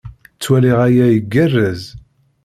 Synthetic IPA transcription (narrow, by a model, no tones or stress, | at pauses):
t͡sːwæliʁæjæjəɡːərːæz